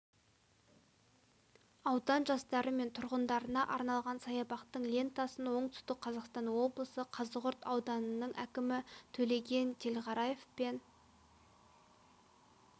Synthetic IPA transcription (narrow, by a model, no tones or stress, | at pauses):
ɑwd̪ɑnʒɑst̪ɑɾəme̞nt̪ʰʊɾʁənd̪ɑɾənɑʔɑɾnɑlˠʁɑnsɑjɑbɑqt̪əɴlʲe̞nt̪ɑsənwo̞ɴt̪ʰʏ̥st̪ɪk̚qʰɑzɑqst̪ɑnwo̞blˠəsəqʰɑzəʁʊɾt̪ɑwd̪ɑnənəɴʔækʲɪmɪt̪ʰɵle̞ɡʲe̞nt̪ʰe̞lʁɑɾɑje̞fpe̞n